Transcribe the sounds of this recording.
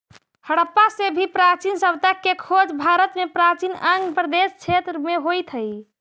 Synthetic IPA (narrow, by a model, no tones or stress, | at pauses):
həɽəpːasebʱipɾat͡ʃinsəbʱt̪əkːekʰod͡ʒbʱaɾət̪mepɾat͡ʃinəŋɡpɾəd̪est͡ʃʰet̪ɾmeɦojt̪ʰɦəj